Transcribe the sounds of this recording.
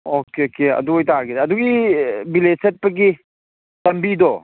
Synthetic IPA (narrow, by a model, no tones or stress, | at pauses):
okeokeɐ̰duojtaɾɡidaːduɡibileset̚pɐɡi | lɐmbidɔ